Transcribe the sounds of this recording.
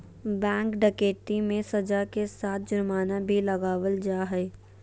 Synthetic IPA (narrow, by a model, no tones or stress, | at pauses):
bɛ̃ːŋkɖəkeːʈimẽsəd͡ʒakesaːt̪̚ʰd͡ʒʊɾmaːnabʱiləɡaːʋəld͡ʒaːɦɛː